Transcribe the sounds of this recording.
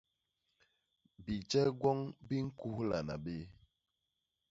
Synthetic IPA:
bi˨d͡ʒɛ˦ɡwɔ˦ŋbi˦ŋ̩˦ku˦hla̰˨na̰˨be˦

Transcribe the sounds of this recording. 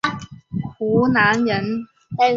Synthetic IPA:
kʰuː˨˥naː˨˥njɐ˨˥n | t̪ɛ˥

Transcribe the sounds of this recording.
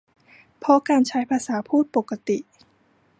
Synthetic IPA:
pʰɔ˦˥kaː˧nt͡ɕʰa˦˥jpʰaː˧saː˩˦pʰuː˥˩t̪̚po˨˩kːa˧t̪i˨˩ʔ

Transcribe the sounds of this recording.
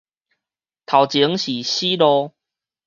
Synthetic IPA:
t̪ʰa˨˩wt͡ɕi˨˦ŋɕi˨˩ɕi˦lɔ˧

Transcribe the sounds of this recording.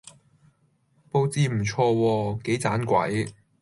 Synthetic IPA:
po˧wt͡siː˧m̩˨˩t͡sʰɔː˧wɔː˧ke˨˥jt͡saː˨˥nkʷɐ̰˨˥j

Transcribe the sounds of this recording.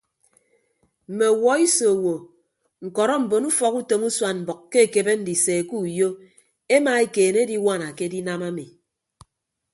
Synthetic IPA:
m̩˨me˨wɔ˨˦i˦so˨wo˨ | ŋ̩˨kɔ˨ɾɔ˦m̩˨bo˨nu˦fɔ˨ku˦to˨mu˦swa˦˨m̩˨bɔ˨kkːe˦e˨ke˨be˦n̩˦di˨se˨ku˦˨jo˦ | e˦ma˨e˦keː˨ne˦di˦wa˦˨na˨ke˦di˦na˦ma˦mi˨

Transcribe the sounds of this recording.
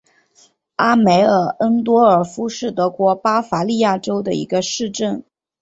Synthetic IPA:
a˥me˧˥ɪə˧˩ʔə˥nt̪̬wɔ˥ə˞˨˩fu˥ʂɻ̩˥˩t̪ɤ˧˥kwɔ˧˥pa˥fa˧˥li˥˧ja˥˩ʈ͡ʂo˥ʊd̪ə˨ḭ˧˥ɡə˧ʂɻ̩˥˧ʈ͡ʂə˥˩n

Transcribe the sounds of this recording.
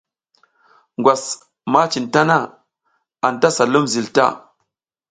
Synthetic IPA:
ŋɡʷwa˨s | ma˦t͡ʃi˨nta˦na˦˨ | a˨nta˦sa˨lu˦mzi˨lta̰˦˨

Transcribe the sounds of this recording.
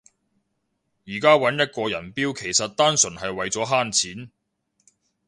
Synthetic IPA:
jiː˨˩kaː˥wɐ˨˥njɐ˥t̚kɔː˧jɐ˨˩npiː˥wkʰe˨˩jsɐ˨t̚t̪aː˥nsɵ˨˩nɦɐ˨jwɐ˨jt͡sɔː˨˥ɦaː˥nt͡sʰiː˨˥n

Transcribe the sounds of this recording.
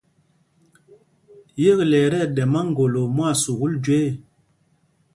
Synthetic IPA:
je˦klɛ˨ɾɛ˦˨ɗɛ˨ma˦ŋ˦ɡo˨lo˨mwa˦˨su˨ɣu˦ld͡ʒwe˦˨

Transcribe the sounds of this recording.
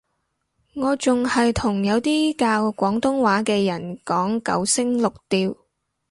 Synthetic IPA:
ŋɔː˨˧t͡sʊ˨ŋhɐ˨jt̪ʰʊ˨˩ŋjɐ˨˧wt̪iː˥kaː˧wkʷɔː˨˥ŋt̪ʊ˥ŋwaː˨˥kɛː˧jɐ˨˩nkɔː˨˥ŋkɐ̰˨˥wsɪ˥ŋlʊ˨k̚t̪iː˧w

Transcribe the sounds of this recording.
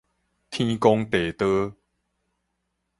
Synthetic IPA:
t̪ʰĩ˦kɔ˦ŋt̪e˨˩t̪ə˦

